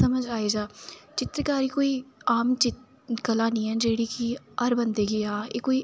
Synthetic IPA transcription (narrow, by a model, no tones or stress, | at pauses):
əməd͡ʒaːeːd͡ʒaːt͡ʃɪt̪ɾkaːɾiːkoːiːaːmt͡ʃɪt | kəlaːnĩːɛ̃nd͡ʒeːɽiːki | əɾbənd̪eːɡɪjaːḛːkoːiː